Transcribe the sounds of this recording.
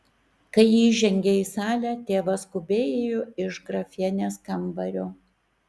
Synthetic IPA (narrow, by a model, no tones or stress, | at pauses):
kɐɪjiːʒʲɛŋʲɡʲeiːsɑːlʲæːt̪ʲeːʋɐskʊbʲeːjejoɪʃɡɾɐfʲiɛnʲeːskɐmbɐɾʲoː